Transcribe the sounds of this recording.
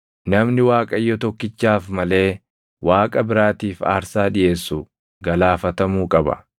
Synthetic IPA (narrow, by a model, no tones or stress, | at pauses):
nɐmnɪwaːkʼɐjːɔt̪ɔkːɪt͡ʃːaːfmɐle̞ː | wʔaːkʼɐbɪɾaːt̪iːfa̰ːɾsaːᶑɪje̞ːsːʊ | ɡɐlaːfɐt̪ɐmuːkʼɐbɐ̰